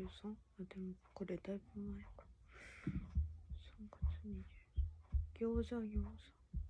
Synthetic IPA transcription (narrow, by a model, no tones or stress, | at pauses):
ɯsãŋad̪emokoɾed̪aibɯmaekḁ | sãŋkḁt͡sɨmʲid̪e | ɡ̥ʲoːʑaɡʲoːsḁ̃ŋ